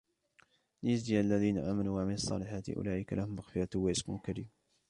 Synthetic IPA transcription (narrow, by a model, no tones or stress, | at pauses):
lɪjazd̪ijaalːaðiːnaʔaːmaluːwaʕamɪnɑsˤːɑ̰ːlɪħaːt̪ɪ̰ʔʊ̰laːʔɪkalahʊmʔaxfɪjat̪ʊwaʔɪsmʊ̰lkaɾḭːm